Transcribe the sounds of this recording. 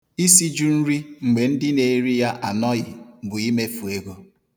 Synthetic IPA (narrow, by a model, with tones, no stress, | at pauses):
i˦si˦d͡ʒu˦n̩˦ɾi˦ŋ͡m̩˨ɡ͡be˨n̩˦dɪ˦ne˨ɾi˦ja˦ʔa˨nɔ˦ɣɪ˨bʊ˨i˦me˦fu˨e˦ɡo˦